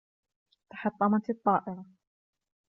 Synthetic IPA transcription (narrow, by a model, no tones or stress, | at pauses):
t̪ḁħɑt̪ˤːɑmɑt̪t̪ˤːɑːʔɪɾɑ